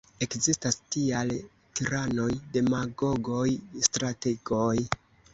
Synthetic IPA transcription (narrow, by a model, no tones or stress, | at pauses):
e̞kzistastial | tiɾano̞jde̞maɡo̞ɡo̞jstɾateɡo̞j